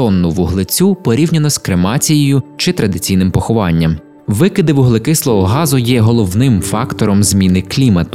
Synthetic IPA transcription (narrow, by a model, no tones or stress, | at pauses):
ɔnːʊʋʊɦlˠɪt͡sʲupɔɾʲiwnʲɐnɔskɾemɑt͡sʲijejʊt͡ʃɪt̪ɾɐd̪ɪt͡sʲijnɪmpɔxʊʋɑnʲːɐm | ʋɪkɪd̪ɪʋʊɦlˠɪkɪslˠɔɦɔɦɑzʊjɛɦɔlˠɔwnɪmfɑkt̪ɔɾɔmzʲmʲinɪklʲimɐt̪